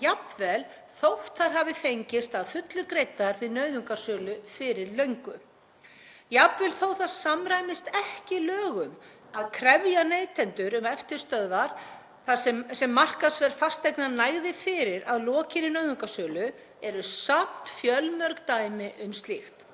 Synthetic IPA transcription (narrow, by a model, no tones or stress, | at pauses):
japvɛl | θowht̪θaɾ̥ɦavɪfejɲcɪst̪aðfʏt̪lʏkɾejt̪ːaɾɪnœɥðʏŋkasœːlʏfɪɾɪɾlœɥŋkʏ | japvɛlθoːwθaðsamɾajmɪst̪ɛhcɪlœːɣʏm | aðkʰɾɛvjanejt̪ʰɛnt̪ʏɾʏmɛft̪ɪɾ̥st̪œðvaɾ̥ | θasɛsɛmːar̥kasvɛɾ̥fast̪ejknanajɣðɪfɪɾɪɾaðlɔːcɪnɪnœːɥðʏŋkasœːlʏ | ɛɾʏsam̥t̪fjœlmœɾkt̪aːjmɪʔʏmst̪lɪxt̪